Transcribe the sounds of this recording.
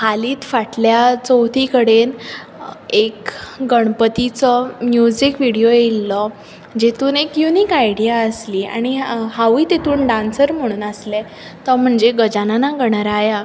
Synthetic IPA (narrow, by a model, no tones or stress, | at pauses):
haliːt̪faʈljat͡sɔwt̪ʰikəɽen | ekɡəɽ̃pət̪it͡sɔmjud͡ʑikʋiɽijojelːɔ | d͡ʑet̪uːnekjuniːkajɽijaəsliːa̰ɽ̃ihaʋiːt̪et̪uːnɖãnsəɾm̤əɽ̃uːnəslɛ | t̪əm̤əɳd͡zeɡəd͡ʑananaɡəɽ̃aɾaja